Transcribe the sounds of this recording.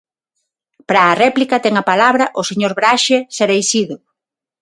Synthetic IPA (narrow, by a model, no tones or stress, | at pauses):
pɾaːrɛplikɐt̪ɛŋapalaβɾɐʔʊseɲoɾβɾaʃeseɾejsiðʊ